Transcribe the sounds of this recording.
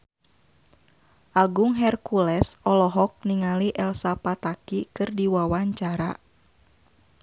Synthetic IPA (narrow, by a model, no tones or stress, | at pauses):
ʔaɡuŋɦɛrkulɛsʔɔlɔɦɔk̚niŋaliʔɛlsapat̪akikɨrdiwawaɲt͡ʃaɾa